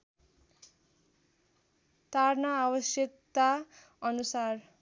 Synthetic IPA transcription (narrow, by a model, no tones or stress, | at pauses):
t̪arnʌabʌsjʌk̚t̪a | ʌnusar